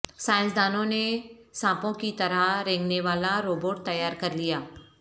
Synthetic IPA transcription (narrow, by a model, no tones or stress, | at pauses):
sãːɪ̃nsd̪aːnõnesãːpõkit̪ɐɾəɾẽːŋɡneʋaːlaɾoːboːʈ̚t̪ɐjːaːɾkɐɾlijaː